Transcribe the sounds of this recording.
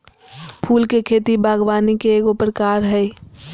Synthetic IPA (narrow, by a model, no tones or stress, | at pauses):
pʰuːlkekʰeːt̪ibʱaːɡwaːnikeːkopəɾəkaːɾɦɛː